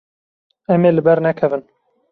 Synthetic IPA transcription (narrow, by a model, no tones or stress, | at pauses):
ɛmeːlɨbɛɾnɛkʰɛvɨn